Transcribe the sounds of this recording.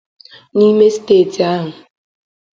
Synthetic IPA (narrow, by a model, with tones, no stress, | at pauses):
ni˦me˦si̥˦teː˦˨ti˨a˦ɦʊ˨